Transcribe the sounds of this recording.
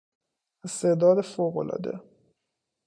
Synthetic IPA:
est̪ed̪ɒːd̪efoɣolʔɒ̰ːd̪ḛ

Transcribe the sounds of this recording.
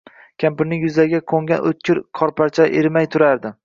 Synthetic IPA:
kʲʰampɪɾnɪŋjʊzaɡʲakʰoŋɡʲanʔo̰t̪̚kʲʰɪɾkʰɒɾpʰaɾt͡ʃʰaʔeɾmajt̪ʰʊɾaɾd̪ɪ

